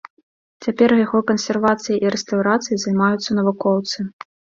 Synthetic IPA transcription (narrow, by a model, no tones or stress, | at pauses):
t͡sʲapʲɛrjaɣɔkɐnsʲɛrvat̪sɨjiʔiɾɛst̪ɐwɾat̪sɨjizɐjmajut̪sːɐnɐvukɔwt̪sɨ